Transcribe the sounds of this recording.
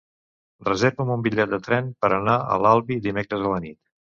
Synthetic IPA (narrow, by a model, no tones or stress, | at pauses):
rrəzeɾβəmumbiʎːɛt̪̚d̪ət̪ɾɛnpəɾənaə̰lalˠβiðimekɾəzələnit̪